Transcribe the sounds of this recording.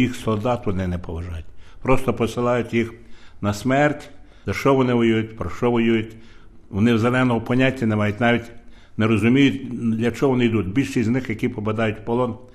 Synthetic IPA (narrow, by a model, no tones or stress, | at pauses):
jixsɔlˠd̪ɑt̪ʋɔnɪnɛpɔʋɐʒɑjʊtʲpɾɔst̪ɔpɔsɪlˠɑjʊtʲjixnɐsmɛrtʲ | d̪ɐʃɔʋɔnɪʋɔjujʊtʲpɾɔʃt͡ʃɔʋɔjujʊtʲ | ʋɔnɪwzelˠɛnɔɦɔpɔnʲatʲːɐnemɑjʊtʲnɑʋʲjʲitʲneɾɔzʊmʲijʊtʲd̪ʲlʲɐt͡ʃɔɦɔʋɔnɪjd̪utʲbʲilʲʃiznɪxjɐkʲipɔbɐd̪ɑjʊtʲpɔlˠɔn